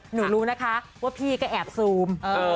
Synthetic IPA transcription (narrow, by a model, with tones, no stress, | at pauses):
nuː˩˦ɾuː˦˥na˦˥kʰa˦˥ʔwaː˥˩pʰiː˥˩kɔ˥˩ʔɛː˨˩p̚suː˧mʔː